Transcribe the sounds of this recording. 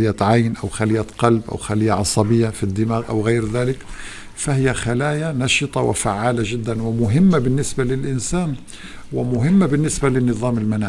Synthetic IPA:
jaʕajnʔawxalɪjːat̪qɑlbʔa̰wxalɪjːaʕɑsˤɑbɪjːafid̪ːɪmaːɣʔa̰wɣaːɾðaːlɪk | fahɪjːaxalaːjanɑʃɨt̪ˤɑwɪ̰faʕːaːlaʒɪd̪ːanwɪmʊɦɪmːabɪnːɪsbalɪlʔɪnsaːn | wɪmʊɦɪmːabɪnːɪsbalɪnːɨðˤɑːmɪlmanaː

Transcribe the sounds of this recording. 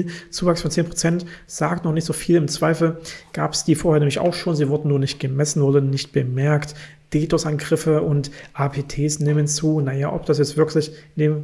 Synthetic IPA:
t͡suːvaksfɔnt͡seːnpʁ̥ot͡sɛntz̥aːktnɔχnɪçtz̥oːfiːlɪmt͡sv̥aɪfl̩ɡ̥aːpəsd̥iːfoɐheːɐnɛːmlɪça̰ʊxʃoːnziːvʊɐdn̩nuːɐnɪçt̚ɡ̥əmɛsn̩vʊɐdənɪçt̚b̥əmɛɐkt | d̥eːtʰosʔanɡʁɪfəʔʊntʔaːpʰeːtʰeːsneːmənt͡suːnajaːʔɔ̰p̚d̥asjɛt͡stv̥ɪɐklɪçndeːm

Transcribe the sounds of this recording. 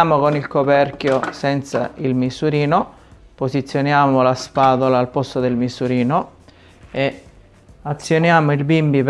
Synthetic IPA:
aːmokonilkopɛrkjosɛnt̪sa̰ilmisuɾiːno | posit̪sːjonjaːmolaspaːðolaːlpɔst̪od̪elmisuɾiːno | e | at̪sːjonjaːmoilbimbip

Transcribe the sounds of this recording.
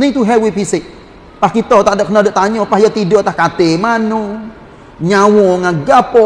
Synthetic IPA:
niŋt̪uɦɛwipiseʔ | pahkit̪ɔt̪adəknədoʔt̪aɲɔpahjət̪idɔt̪ahkat̪emanɔ | ɲawɔŋaɡapɔ

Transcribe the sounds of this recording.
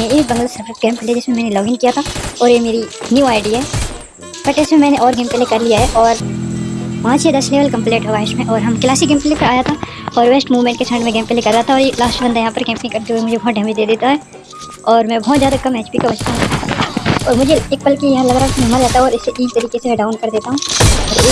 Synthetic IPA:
eeːkbɐ̃ŋɡəlsɐfɾkɡɛ̃ːmpɪled͡ʒɪsmẽmɛ̃ːnelɔːɡɪ̃ŋkijat̪ʰaɔːɾjemeːɾinjuːaːɪɖiɦɛː | b̥ɐʈɪsmẽmɛ̃ːneʔɔːɾɡeːmpelekɐɾlijaɦɛʔɔːɾ | pãːt͡ʃjed̪ɐsleːʋəlkɐ̃mpleːʈɦɐʋaːɦɪʃmẽʔɔːɾɦɐmkɪlaːsiɡɛːmpɪlepɐɾaːjat̪ʰa | ɔːɾʋeːsʈmuːʋmẽɳʈ̚kesɐ̃ɳɖmẽɡẽːmpeːlekɐɾːɐɦat̪ʰaɔːɾjelaːsʈbɐnd̪ʱajɐɦãpɐɾkɛ̃ːmpɪ̃kɐɾt̪eɦuemʊd͡ʒʱebɔɦːt̪̚ɖʱəmid̪eːd̪eːt̪aɦɛː | ɔːɾmɛ̃ːbɔɦɔt̪zjaːd̪akɐmeːt͡ʃpikabɐt͡ʃt̪aɦũat̪ʰːɔːɾmʊd͡ʒʱeeːk̚pɐlkijɐɦãlɐbɾaːsɐmaɾd͡ʒaːt̪aɔːɾɪsːeʔiːd͡ʒt̪ɐɾiːkesemɛ̃ɖaːʊnkɐɾd̪eːt̪aɦũːɔːɾeː

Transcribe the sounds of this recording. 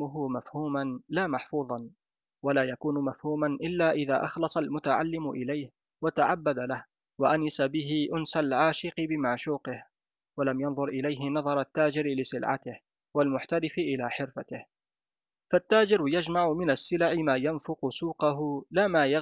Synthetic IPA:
ʊɦʊmafhuːmanlaːmaħfuːðˤɑn | walaːjakuːnʊmafhuːmanʔɪlːaːʔɪða̰ːʔɑxlɑsˤɑlmʊt̪aʕalːɪmʊʔɪlajh | wat̪aʕabːad̪alah | waʔanɪsabɪɦɪʔʊnsalʕaːʃɪqɪbɪmaʕʃuːqɪh | walamjɑnðˤʊɾʔɪlajɦɪnɑðˤɑɾˤat̪ːaːd͡ʒɪɾɪlɪsɪlʕa̰t̪ɪh | walmʊħt̪aɾɪfɪʔɪlaːħɪɾfat̪ɪh | fat̪ːaːd͡ʒɪɾjad͡ʒmaʕʊmɪnasːɪlaʕɪmaːjanfʊqʊsuːqɑɦʊlaːmaːja

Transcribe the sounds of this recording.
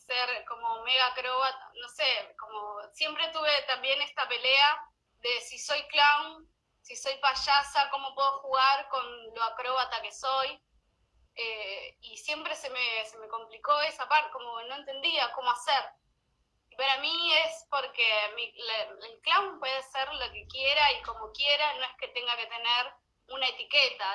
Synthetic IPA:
seɾkomo̞me̞ɣakɾo̞βat̪ano̞se̞ko̞mo̞sje̞mpɾe̞t̪uβe̞t̪ambje̞ne̞st̪ape̞le̞a | ðe̞siso̞jklawn | siso̞jpaʃasako̞mo̞pwe̞ðo̞xuɣaɾko̞nloakɾo̞βat̪ake̞so̞j | eisje̞mpɾe̞se̞mese̞me̞ko̞mpliko̞e̞sapaɾt̪e̥ko̞mono̞e̞nt̪e̞nd̪iako̞moaseɾ | ipaɾamie̞spo̞ɾkemilaelklawmpwe̞ðeseɾlo̞ke̞kje̞ɾaiko̞mo̞kje̞ɾanõ̞e̞hke̞t̪e̞ŋɡake̞t̪ene̞ɾ | unaet̪ike̞t̪a

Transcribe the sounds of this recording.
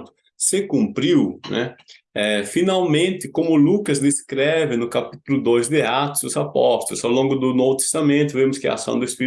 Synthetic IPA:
t̪ʊ | sɪkũmpɾiwnɛ̰ | ɛfĩnawmẽnt̪ɪkõmʊlukɐzd̪eskɾɛvɪnʊkapit̪ʊlʊd̪ojzd̪ɪat̪ʊzʊzapɔst̪ʊlʊsawlõɡʊd̪ʊnovʊt̪e̥st̪amẽnt̪ʊvẽmʊskɪɐ̰a̰sɐ̰̃w̃d̪ʊespi

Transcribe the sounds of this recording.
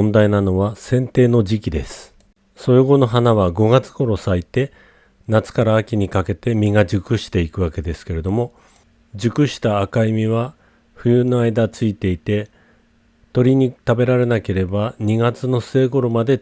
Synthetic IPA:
nd̪ainano̞βasẽ̞nt̪e̞ːno̞d͡ʑikʲid̪e̞sɨ̥ | so̞joɡo̞no̞ɦanaβaɡo̞ɡat͡sɨ̥ɡ̥o̞ɾo̞sait̪e̞ | nat͡sɨ̥kaɾaːkʲiɲ̟ikake̞t̪e̞mʲiŋad͡ʑɨkɯ̟ɕi̥t̪e̞ikɯ̟βake̞d̪e̞sɨ̥ke̞ɾe̞d̪o̞mo̞ | d͡ʑɨkɯ̟ɕi̥t̪aːkaimʲiβ̞a | ɸɯ̟jɯnoaid̪at͡sɨit̪e̞it̪e̞ | t̪o̞ɾʲiɲ̟it̪abe̞ɾaɾe̞nake̞ɾe̞baɲ̟iɡat͡sɨno̞seɡo̞ɾo̞mad̪e̞

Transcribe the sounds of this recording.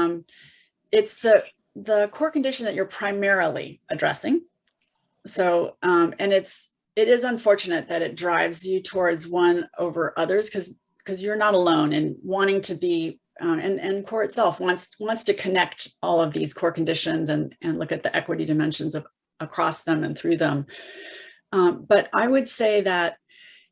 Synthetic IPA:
m | ɪtsðɨ | ðəkʰɔɹkɨ̃ndɪʃɨ̃n̩ðɨt͡ʃə˞pʰɹ̥aɪ̃mɛɹl̩ˠḭʔɨdɹɛ̰sɪ̃ŋ | soʊ̃mɨ̃nɪts | ɪɾɪzə̃ɱfɔɹt͡ʃɨnɨt̪̚ðɨɾɨt̚dɹaɪvzjɨtʰɔɹdzwʌ̃noʊvə˞ʔʌðə˞z̥kʰʌz | kʰʌzjə˞nəɾəlõʊ̃nɨ̃nwɑ̃ɾ̃ɪ̃ŋtʰɨbi | ɨ̃nɨ̃nkʰɔɹɨtsɛlˠfwɑ̃ntswɑ̃ntstɨkʰɨnɛk̚tɔlˠʌvðiz̥kʰɔɹkn̩dɪʃɨ̃nzɨ̃nʔɨ̃nlʊkɨt̪̚ðiʔɛkwɨɾidɨmɛ̃nʃɨ̃nzʌ | ʔəkʰɹ̥ɔsðə̃mɨ̰̃nθɹʉðə̃m | ʌb̥ʌɾaɪwɨdseɪðɨt̚

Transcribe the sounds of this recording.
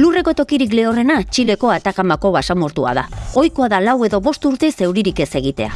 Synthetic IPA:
lure̞ko̞t̪o̞kiɾikle̞o̞re̞nat͡ʃile̞ko̞at̪akamako̞βasamo̞ɾt̪ua̰ð̞ao̞jko̞aðalawe̞ðo̞βo̞st̪uɾt̪e̞se̞wɾiɾike̞se̞ɣ̞it̪e̞̰a̰

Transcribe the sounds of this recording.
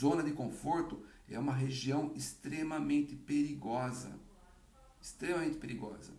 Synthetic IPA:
zõnɐd̪ɪkõfoɾt̪ʊ | ɛ̰ũmɐɦeʒiɐ̃w̃ɪst̪ɾemɐmẽnt̪ɪpeɾiɡɔzɐ̰ | ɪst̪ɾẽmɐmẽnt̪ɪpeɾiɡɔ̰zɐ̰

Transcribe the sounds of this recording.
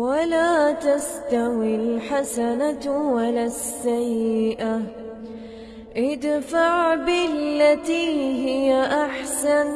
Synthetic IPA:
walaːt̪ast̪awɪlħasanawalasːajːɪʔa | ʔɪd̪faʕbɪllːat̪iːɦɪjaʔaħsan

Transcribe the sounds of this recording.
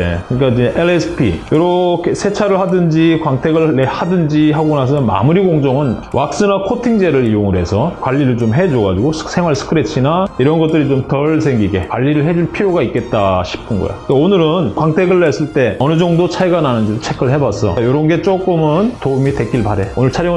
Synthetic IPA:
ḛkɯɲik͈ad͡ʑiʔeɭesʰɯ̥pʰḭjoɾʌkʰe̞sʰe̞t͡ɕʰaɾɯɭhadɯnd͡ʑikwaŋtʰeɡɯɭːehadɯnd͡ʑiɦaɡonas̬ʰʌnma̰muɾiɡoŋd͡ʑʌŋɯnwak̚s͈ɯnakʰotʰiŋd͡ʑeɾɯɾijoŋɯɾɦe̞sʰʌkwaʎːiɾɯɭt͡ɕomɦe̞d͡ʑoɡad͡ʑiɡossʰe̞ŋwaɭsʰɯ̥kʰɯɾet͡ɕʰinaiɾʌnɡʌt͈̚ɯɾit͡ɕomtʌɭs̬ʰe̞ŋɡiɡe̞kwaʎːiɾɯɭɦe̞d͡ʑuɭpʰiɾjoɡaik͈e̞t̚t͈aɕʰi̥pʰɯnɡʌ̰jo̰kaonɯɾɯnkwaŋtʰeɡɯɭːes͈ɯɭt͈e̞ʌnɯd͡ʑʌŋdot͡ɕʰajɡananɯnd͡ʑidot͡ɕʰe̞kʰɯɭhe̞bas͈ʌ̰joɾʌnɡe̞t͡ɕ͈ok͈ɯmɯntoumite̞k͈iɭbaɾe̞onɯɭt͡ɕʰaɾjo

